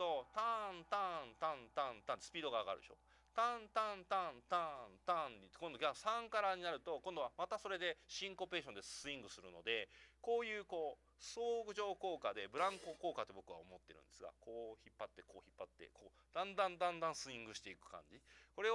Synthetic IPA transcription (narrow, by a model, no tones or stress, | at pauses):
t̪o̞t̪ãnt̪ãnt̪ãnt̪ãnt̪ãnt̪esɨ̥pʲiːd̪oɡaːɡaɾɯeɕo̞̰ | t̪ãnt̪ãnt̪ãnt̪ãnt̪ãɲikõ̞nd̪o̞ɡʲasãŋkaɾaɲ̟inaɾɯ̟t̪o̞kõnd̪o̞βamat̪aso̞ɾe̞d̪e̞ɕĩŋko̞pe̞ːɕõ̞nd̪eɨĩŋɡɯ̟sɨɾɯ̟no̞d̪e̞ko̞ːjɯ̟ːko̞ː | so̞ːɡɯ̟ʑo̞ːko̞ːkad̪e̞bɯ̟ɾãŋko̞ko̞ːkat̪ːe̞bo̞kɯ̟βa̰omo̞t̪ːe̞ɾɯ̟̃nd̪esɨɡa̰koːçipːat̪ːe̞koːçipːat̪ːe̞̰kʰoː | d̪̥ãnd̪ãnd̪ãnd̪ãɰ̃sɨĩŋɡɯ̟ɕi̥t̪e̞ikɯ̟̥kã̰ɲ̟d͡ʑiko̞ɾe̞